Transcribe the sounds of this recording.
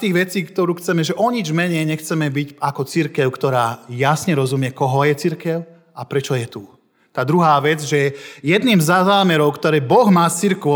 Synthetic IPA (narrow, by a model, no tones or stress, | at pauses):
t̪iːɣʋɛt͡siːkt̪ɔɾuːxt͡sɛmɛʒɛʔɔɲid͡ʒmɛɲɛjɲɛxt͡sɛmɛbicakɔt͡siɾkɛʊkt̪ɔɾaːjasɲɛɾɔzumɪjɛkɔɦɔjɛt͡siɾkɛʊ | apɾɛt͡ʃɔjɛt̪uː | t̪aːd̪ɾuɦaːʋɛd͡zʒɛjɛd̪niːmzazaːmɛɾɔʊkt̪ɔɾɛːbɔɣmaːt͡siɾkʋɔ